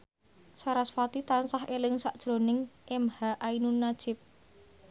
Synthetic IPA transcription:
saɾasfat̪it̪ansaɦelɪŋsaʔd̥ʒ̥ɾo̤nɪŋʔemhaʔainunːad̥ʒ̥ɪp̚

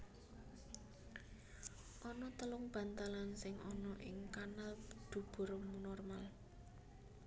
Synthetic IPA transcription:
ʔɔnɔt̪əlʊŋb̥ä̤nt̪alansɪŋɔnɔʔɪŋkanald̪̥ṳb̥o̤ɾɔmunɔrmal

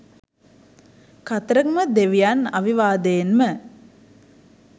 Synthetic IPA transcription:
kat̪ɾəkməd̪eʋijana̰ʋiʋaːd̪əjenmə

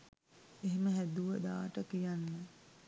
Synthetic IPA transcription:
eɦeməɦæd̪uʋəd̪a̰ːʈəkijanːə

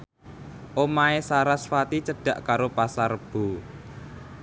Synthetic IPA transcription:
ʔomaesaɾasfat̪it͡ʃəɖ̥ä̤ʔkaɾopasarəb̥o̤

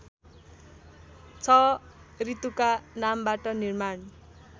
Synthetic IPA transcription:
t͡sʰʌrit̪ukanambaʈʌnirman

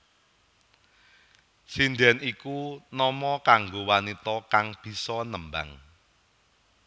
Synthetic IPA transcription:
sindɛnikunɔmɔkaŋɡowanit̪ɔkaŋb̥i̤sɔnəmba̰ŋ

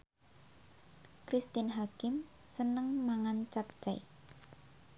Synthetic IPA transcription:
kɾist̪ɪnɦakɪm | sənəŋmaŋant͡ʃap̚t͡ʃɛj

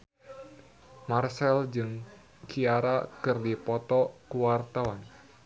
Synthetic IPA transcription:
marsɛld͡ʒɨŋ | kiaɾakɨrdipɔt̪ɔkuwart̪awan

